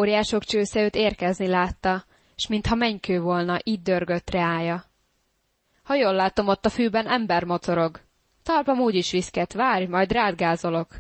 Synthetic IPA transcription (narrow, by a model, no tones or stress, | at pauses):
oːɾjaːʃo̞kt͡ʃøːsɛøːt̪eːrkɛznilaːt̪ːɒ | ʃmint̪hɒmɛɲkøːvo̞lnɒʔiːd̪̚d̪ørɡøt̪rɛaːjɒ | hɒjolːaːt̪o̞mo̞t̪ːɒfyːbɛnʔɛmbɛrmo̞t̪o̞ɾo̞ɡ | t̪ɒrpɒmuːɟiʃʋiskɛt̪ʋaːrjmɒjd̪raːd̪ɡaːzo̞lo̞k